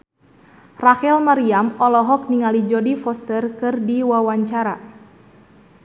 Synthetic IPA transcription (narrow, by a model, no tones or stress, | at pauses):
rakɛlmaɾiamɔlɔɦɔk̚niŋalid͡ʒɔdifɔst̪ərkɨrdiwawaɲt͡ʃaɾa̰